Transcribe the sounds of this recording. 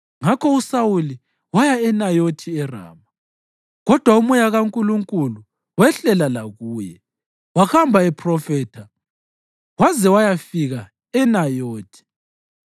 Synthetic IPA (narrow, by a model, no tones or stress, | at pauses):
ŋakʰɔusawuli | wajaɛnajotʰiɛra̰ːma | ɣɔd̥ʱwaumujaɣaŋkʼuluŋkʼulu | wɛɬɛlalaɣuːjɛ | waxambʱaɛpʰrɔfɛːtʰa | wazɛwajafiɣa | ɛnajoːtʰi̥